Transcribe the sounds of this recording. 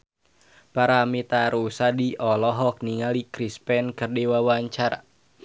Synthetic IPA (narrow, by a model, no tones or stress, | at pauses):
paɾamit̪aɾusadiɔlɔɦɔk̚niŋalikɾispɛnkɨrdiwawaɲt͡ʃaɾa̰